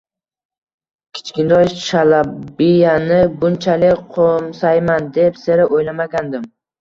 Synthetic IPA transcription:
kʲʰɪ̥t͡ʃkʲɪnd̪ɒjʃʃalabijanɪbʊnt͡ʃʰalɪkʲqʰomsajmand̪e̞psɪɾɪʔojlamaɡʲand̪ɪm

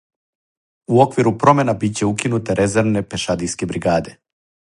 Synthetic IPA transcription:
uo̞kʋiɾupɾo̞me̞nabitt͡ɕe̞ukinut̪eɾʔe̞ze̞ɾʋne̞pe̞ʃad̪ijske̞bɾiɡaːd̪e̞

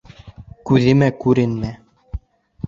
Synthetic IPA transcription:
kʉðɘ̆mækʉɾɘnmæ

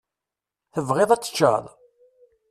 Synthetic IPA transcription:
θəvʁeðˤæt͡sːə̥t͡ʃːə̰ðˤ

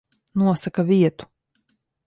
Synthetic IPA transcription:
nuɔsakaviɛt̪u̥

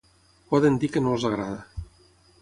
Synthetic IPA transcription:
pɔðənd̪ikənolˠzaɣɾaðə

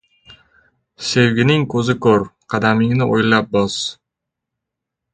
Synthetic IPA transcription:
sewɡʲɪnɪŋkʰɵzɪkʰɵɾqʰɑd̪amɪŋnɪʔojlap̚bɒs

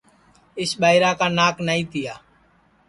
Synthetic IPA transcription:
ɪsɓaːiɾaːkaːnaːknaːĩːt̪ɪjaː

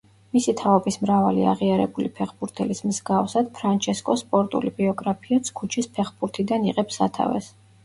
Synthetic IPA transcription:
misit̪ʰaɔbismɾava̰lḭa̰ʁiaɾɛbulipʰɛχbuɾt̪ʰɛlismzɡafsad̪̥pʰɾant͡ʃʰɛskʼɔspʼɔɾt̪ʼṵlibiɔɡɾapʰiat̪sʰkʰut͡ʃʰispʰɛχbuɾt̪ʰid̪aniʁɛpsa̰t̪ʰa̰vɛ̰s

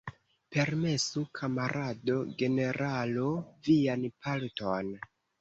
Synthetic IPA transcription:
pe̞ɾme̞sukʰamaɾʔado̞ɡe̞ne̞ɾʔalovianpʰalton

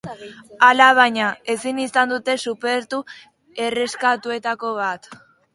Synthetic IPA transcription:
alaβ̞aɲae̞sinisand̪ut̪e̞supe̞ɾt̪u | e̞re̞skat̪ue̞t̪ako̞β̞at̪

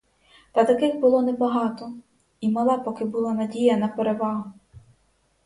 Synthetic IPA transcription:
t̪ɐt̪ɐkɪɣbʊlˠɔnɛbɐɦɑt̪ɔ | imɐlˠɑpɔkɪbʊlˠɑnɐdʲijɐnɐpeɾeʋɑɦʊ

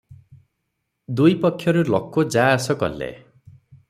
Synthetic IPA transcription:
d̪ujpɔkʰːjʌɾulɔkːod͡zaːsʌkʌ̰lːḛ

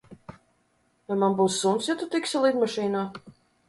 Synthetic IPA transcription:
namanbuːsːunsjat̪ut̪iksalˠid̪maʃiːnaː

